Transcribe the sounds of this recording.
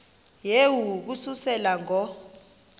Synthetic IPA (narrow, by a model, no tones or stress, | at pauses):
jewuk̬ususɛlaŋʱɔ